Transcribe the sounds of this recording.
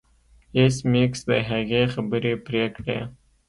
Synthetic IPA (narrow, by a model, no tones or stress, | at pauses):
esmiksd̪ə̰ɦaɣexabəɾepɾekɽḛ